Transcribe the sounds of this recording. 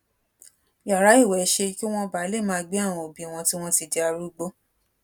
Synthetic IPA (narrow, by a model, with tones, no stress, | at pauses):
ja˨ɾa˨˦i˦˨wɛ˨˦ʃe˧ki˦w̃ɔ̃˧ba˨˦le˦˨mãː˧ɡ͡be˦a˦˨w̃ɔ̃˧o˨bĩ˨˦˨w̃ɔ̃˧ti˦w̃ɔ̃˧ti˧de˧a˧ɾu˦ɡ͡bo˦